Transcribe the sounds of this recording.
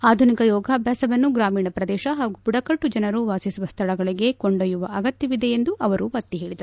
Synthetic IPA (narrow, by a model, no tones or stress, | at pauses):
aːd̪ʱunikɐjɔːɡʱaːbʱjaːsɐʋɐnːuɡɾaːmiːɳɐpɾɐd̪ɛːʃɐɦaːɡupuɽɐkɐʈːud͡ʒɐnɐɾuʋaːsisuʋɐst̪ʰɐɭɐɡɐɭiɡe̞koɳɖɐjuʋɐʔɐɡɐt̪jɐʋid̪e̞end̪uʔɐʋɐɾuʋɐt̪ːiɦe̞ːɭid̪ɐɾ